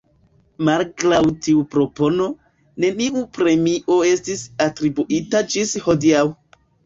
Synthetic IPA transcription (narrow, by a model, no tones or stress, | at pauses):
malkɾawtiupɾo̞po̞no̞ | ne̞niʔupɾe̞miʔo̞e̞stisatɾibuʔitad͡ʒisho̞diaw